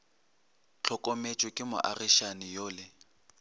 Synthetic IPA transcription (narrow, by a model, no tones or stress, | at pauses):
t͡ɬʰɔkʼomet͡ʃʼwɪkʼɪmʊ̰ʔariʃanɪjoːlɪ